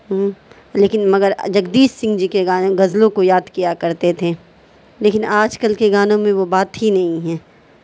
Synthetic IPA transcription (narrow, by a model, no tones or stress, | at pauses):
ɦ | leːkɪnmɐɡəɾd͡ʒɐɡd̪iːssɪ̃ŋɡd͡ʒikeɡaːñɡɐzlõkojaːd̪kijakɐɾt̪et̪ʰe | leːkɪnaːd͡ʒkəlkeɡaːnõmẽʋobaːt̪ɦinɐɦĩɦɛː